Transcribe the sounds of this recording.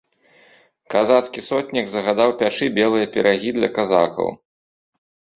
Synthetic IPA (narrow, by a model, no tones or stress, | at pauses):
kazat̪skʲisɔt̪ʲnʲiɡzɐɣad̪awpʲaʂɨbʲɛlˠɨjɐpʲɛɾʔaɣʲid̪lʲɐ̰kaza̰kɐ̰w